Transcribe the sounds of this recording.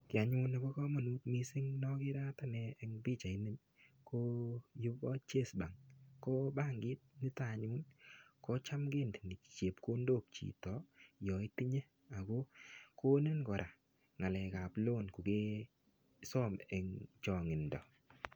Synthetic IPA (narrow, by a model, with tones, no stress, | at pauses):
kɪ˨a˨ɲu˦na˨bɔ˦kɔ˦ma˨nu˦t̚mi˨sɪ˦ŋnɔ˦kɪ˦ɾa˦ta˦nɛ˨ɛ˨ŋbi˦˨t͡ʃa˨i˦ni˦n | ko˦jʊ˦bɔ˦t͡ʃe˦˨sba˨ŋkɔ˦ba˦˨ŋɡɪ˦t̚nɪ˦ta˨ɲu˦nkɔ˦t͡ʃa˦mɡɪ˦ndnɪ̥˨t͡ʃe˨pko˦ndo˦k̚t͡ʃḭ˨tɔ˨jɔ˨i˦ti˦ɲe˦ | a˨ɡo˦ko˦ne˦nkɔ˨ɾʔa˨ | ŋa˨lɛ˨ka˨plo˦˨nku˨ɡe˦ | sɔ˦mɛ˨ŋt͡ʃɔ˨ŋɪ˨ndɔ˨